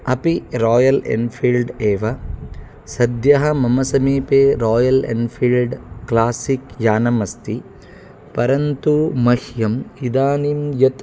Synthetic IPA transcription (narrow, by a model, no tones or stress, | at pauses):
ɐpiɾaːjɐlḛnpʰilɖeːʋɐ | sɐd̪jɐɦɐmɐmɐsɐmiːpeːɾɔːjɐlḛnpʰilɖklaːsikjaːnɐmɐst̪i | pɐɾɐnt̪umɐhjɐmid̪aːnimjɐt̪